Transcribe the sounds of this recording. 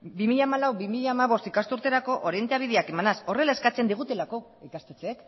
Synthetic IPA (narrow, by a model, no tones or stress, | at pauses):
bimiʎamalawβimiʎaːmaβo̞st̪ikast̪uɾt̪e̞ɾako̞ʔoɾie̞nt̪eaβ̞ið̞eake̞manaso̞re̞lae̞skat͡se̞nd̪iɣ̞ut̪e̞lako̞ | ikast̪et͡seek